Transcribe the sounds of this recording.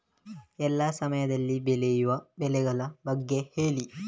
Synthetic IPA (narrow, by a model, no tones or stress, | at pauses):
ɛlːaːsɐmɐjɐd̪ɐlːibɛlɛjuʋɐbɛlɛɡɐlɐbɐɡːeheːli